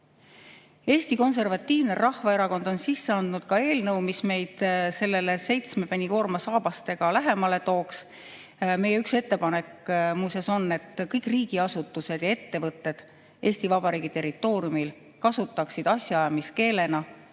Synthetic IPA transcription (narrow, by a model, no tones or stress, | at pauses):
e̞ːst̪iko̞ns̬e̞rvɑt̪ʲːiːvnerɑhvɑeɾɑko̞nd̪̥o̞nsisːeɑnd̪nud̪̥kɑe̞ːlnɤwmisme̞jd̪̥se̞lːe̞lese̞jt̪sme̞penʲiko̞ːrmɑsɑːb̥ɑst̪e̞ɡ̥ɑlæɦe̞mɑle̞t̪o̞ːks | me̞jeykse̞t̪ːe̞pɑne̞kmuseso̞nːe̞t̪ːkɤjkˑriːɡ̥iɑsut̪ːˑuse̞d̪̥jɑe̞t̪ːe̞vɤt̪ˑːe̞d̪̥ | ʔe̞ːsʲt̪ivɑb̥ɑɾiːɡ̥it̪e̞rːit̪ːˑo̞ːɾjumil | kɑsut̪ːˑɑksid̪̥ɑsʲjɑɑjɑmiske̞ːle̞nɑ